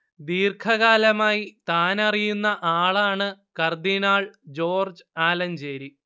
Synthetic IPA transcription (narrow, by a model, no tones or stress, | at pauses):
d̪iːrkʰɐɣaːlɐmaːjit̪aːnɐrijunːɐʔaːɭaːɳɨkɐrd̪inaːɭd͡ʑo̞ːrd͡ʑɨaːlɐnd͡ʑeːɾi